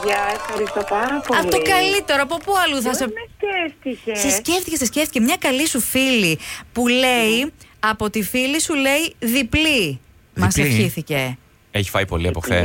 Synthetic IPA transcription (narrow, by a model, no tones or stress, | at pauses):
ʝɐefxɐɾist̪opɐɾɐpoɐft̪okɐlit̪eɾoɐpo̞puɐluθɐsesceft̪icessesce̞ft̪icesesceft̪icemɲɐkɐlisufilipule̞iɐpo̞t̪ifilisule̞iðipli | mɐsefçiθice̞ | eçi̥fɐjpo̞̰liɐpoθḛ